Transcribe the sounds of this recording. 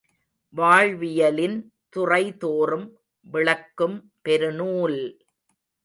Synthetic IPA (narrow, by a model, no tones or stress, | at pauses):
ʋaːɻʋɪjɐlɪn | t̪ʊrɐɪt̪oːrɯm | ʋɪɭɐkːɯm | pɛɾɯnuːl